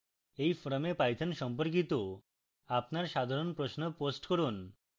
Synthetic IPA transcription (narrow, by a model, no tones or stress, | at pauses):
ejfɔɾomepajt̪ʰanʃɔmpoɾk̬it̪o | apnaɾʃad̪ʱaɾonpɾosnoposʈkoɾun